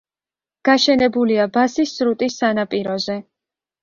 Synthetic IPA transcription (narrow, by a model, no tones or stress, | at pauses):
ɡ̥aʃɛnɛbuliabasisːɾut̪ʼisːanapʼiɾɔzɛ